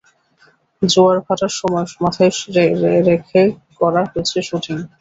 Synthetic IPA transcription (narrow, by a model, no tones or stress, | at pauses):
d͡ʑoaɾbʱaʈaɾʃɔmɔemat̪ʰaeɾeɾekʰekɔɾaɦoet͡ɕʰeʃuʈʰiŋ